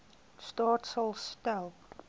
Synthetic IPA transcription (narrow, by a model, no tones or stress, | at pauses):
stɑːtsəlˠstælˠ